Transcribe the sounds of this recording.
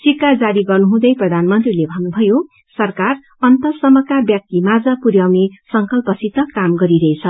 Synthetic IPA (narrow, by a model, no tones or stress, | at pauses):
sikad͡zaɾiɡʌrnuɦũd̪ʌjprʌd̪ʱanmʌnt̪rilebʱʌnːubʱʌjo | sʌrkar | ʌnt̪ʌsʌmʌkabjak̚t̪imad͡zʌpuɾjawnesʌŋkʌlpʌsit̪ʌkamɡʌɾiɾʌet͡sʰʌ